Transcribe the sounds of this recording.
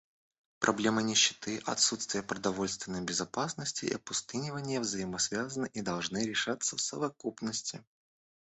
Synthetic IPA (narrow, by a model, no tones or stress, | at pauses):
pɾʔɐblʲe̞mɨnʲɪɕːɪ̥t̪ɨʔɐ̰t̪sut̪st̪vʲɪjəpɾəd̪ɐvo̞lʲst̪vʲɪnːəjbʲɪzɐpasnəsʲtʲɪɪ̰ɐpʊst̪ɨnʲɪvənʲɪjəvzəjɪməsvʲazənɨʔid̪ɐlˠʐnɨɾʲɪʂat̪sːəfsə̰vɐkupnəsʲtʲɪ